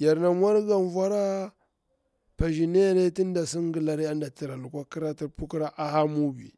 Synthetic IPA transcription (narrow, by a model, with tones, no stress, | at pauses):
ja˨ɾna˨mʷ˦a˦ɾɡa˨n˨vʷa˦ɾa˦ | pa˨ʒi˨ne˦ja˦ne˦ti˦n˦da˨si˦ŋ˦ɡi˨la˨ɾi˦a˦nda˨ti˨ɾa˨lu˨kʷa˦ki˦ɾa˦ti˨ɾpu˦ki˦ɾa˦ʔa˦ha˦mu˦bḭ˨